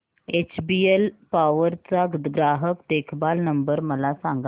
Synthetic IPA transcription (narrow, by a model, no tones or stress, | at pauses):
et͡ɕbielpaʋəɾt͡saɡɾaɦəkd̪ekʰbalnəmbəɾməlasãŋɡa